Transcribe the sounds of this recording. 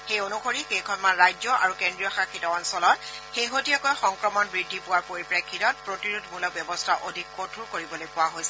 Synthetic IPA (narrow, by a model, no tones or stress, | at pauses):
xejonuxoɹikejkʰɔnmanɹajd͡ʒɔʔa̰ɹukendɹijɔxakʰitɔɔnsɔlɔtxejɦotijɔkɔjxɔŋkɹɔmɔnbɹidʱːipʊwaɹpoɹipɹajkʰːitɔt̚pɹotiɹudmulɔbjɔbɔstʰaʔodʱikkotʰuɹkoɹibɔlojpʊwaɦojsɛ